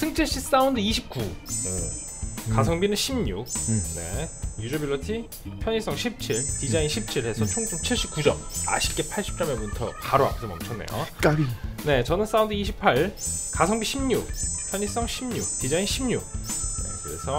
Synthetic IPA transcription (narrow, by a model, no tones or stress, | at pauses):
sʰɯŋt͡ɕ͈eɕ͈is͈aundɯiɕʰip̚k͈uɯ | kasʰʌŋbinɯnɕʰimɲuk̚ne̞̰jud͡ʑʌbiɭːʌtʰi | pʰjʌɲis͈ʌŋɕʰip̚t͡ɕʰiɭtid͡ʑainɕʰip̚t͡ɕʰiɭhe̞sʰʌt͡ɕʰoŋsʰomt͡ɕʰiɭɕ͈ip̚k͈ud͡ʑʌ̰ma̰ɕʰi̥k͈e̞pʰaɭɕ͈ʰi̥p̚t͡ɕ͈ʌmemuntʰʌ̰kaɾoa̰kʰɯemʌ̰mt͡ɕʰʌnḛjo̰ | ne̞t͡ɕʌnɯns͈aundɯiɕ̬ʰipʰaɭkasʰʌŋbiɕʰimɲuk̚pʰjʌɲis͈ʌŋɕʰimɲuk̚t̪id͡ʑainɕʰimɲuk̚ne̞̰kɯɾe̞sʰʌ